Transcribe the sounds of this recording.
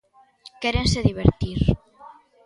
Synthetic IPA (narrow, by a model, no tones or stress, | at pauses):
keɾenseðiβ̞eɾt̪iɾ